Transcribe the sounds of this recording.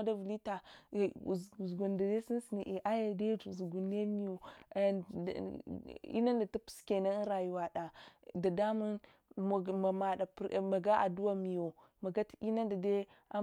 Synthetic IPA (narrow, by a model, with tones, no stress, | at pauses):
da˦vu˨li˦ta˨ | ɡu˨nda˨de˦si˦n˦si˨ni˨ʔe˨ʔa˦ja˨de˦d͡ʒu˨zu˨ɡu˨nːe˦mi˨jo˨ | ḭ˦na˦nda˨ta˦pu̥˨ske˨na˦ɾa˨ju˦wa˨ɗa˨da˨da˦mu˦n˨ | ma˨ma˨ɗa˨ma˨ɡa˦ʔa̰˨du˦wa˦˨mi˨jo˨ | ma˨ɡa˦ti˦na˦nda˨de˦ | a˦